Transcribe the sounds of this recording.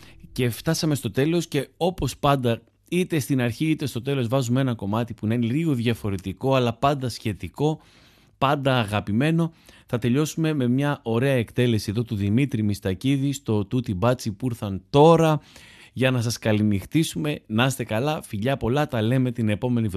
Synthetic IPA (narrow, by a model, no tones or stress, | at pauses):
ce̞ft̪ɐsɐme̞st̪o̞t̪e̞lo̞sce̞o̞po̞spɐnd̪ɐ | it̪e̞st̪inɐɾçiit̪e̞st̪o̞t̪e̞lo̞zvɐzumeenɐko̞mɐt̪ipuneineliɣo̞ðʝɐfo̞ɾe̞t̪iko̞ɐlɐpɐnd̪ɐsçe̞t̪iko̞ | pɐnd̪ɐːɣɐpime̞no̞θɐt̪e̞ʎo̞sume̞me̞mɲɐʔo̞ɾe̞ɐe̞kt̪e̞le̞sieðo̞t̪uðimit̪ɾimist̪ɐciðist̪o̞t̪ut̪ibɐt͡sipuiɾθɐnt̪o̞ɾɐʝɐnɐs̬ɐskɐlinixt̪isume̞nɐst̪e̞kɐlɐfiʎɐpo̞lɐt̪ɐle̞me̞t̪ine̞po̞me̞niv